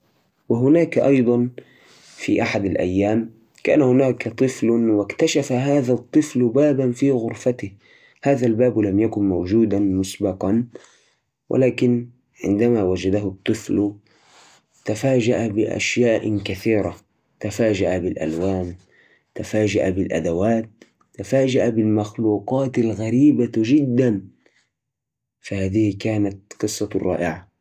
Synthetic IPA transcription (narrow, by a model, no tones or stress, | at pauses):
wɪɦʊnaːkaʔɑjd̪ˤɑn | fḭʔaħad̪alʔa̰jːaːm | ka̰aːnhʊnaːkat̪ˤɨflwɪkt̪aʃafaɦaːðat̪ˤːɨflbaːbanfiːɣʊɾfat̪ɪ | haːðalbaːblamjakʊnmawd͡ʒuːd̪amʊsbɑqɑn | wʔɪ̰laːkɪn | ʕɪ̰nd̪amawad͡ʒad̪aɦʊt̪ˤːɨfl | t̪afaːd͡ʒaʔabɪʔa̰ʃjaːʔkaθiːɾa | t̪afaːd͡ʒaʔabɪlʔa̰lwaːn | t̪afaːd͡ʒaʔabɪlʔa̰d̪awaːt̪̚ː | afaːd͡ʒaʔabɪlmaxluːqɑːt̪alɣaɾiːbaʒɪd̪ːan | fahaːðɪhkaːnat̪qɨsˤːɑrˤːɑ̰ːʔɪʕa